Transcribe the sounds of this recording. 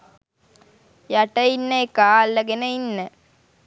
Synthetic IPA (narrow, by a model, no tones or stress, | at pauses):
jaʈɐinːəekaːlːəɡenəinːə